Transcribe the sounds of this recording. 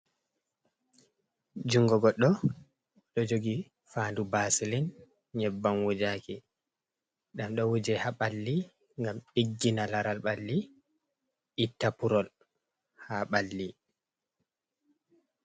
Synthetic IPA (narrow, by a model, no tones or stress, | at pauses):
d͡ʒuŋɡɔɡɔɗɔ | ɗɔd͡ʒoɡi | faːndubasilin | ɲɛbːanwud͡ʒaki | ɗamɗɔwud͡ʒɛhaɓalːi | ŋɡamiɡːinalaɾalɓalːi | itːapuɾɔl | haɓalːi